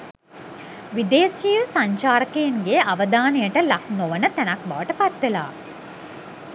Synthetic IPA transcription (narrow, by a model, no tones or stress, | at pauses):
ʋid̪eːsijəsaɲt͡ʃaːɾəkeiŋɡeaʋəd̪aːnejəʈəlak̚noʋənət̪ænak̚ba̰ʋəʈəpat̪ʋela̰ː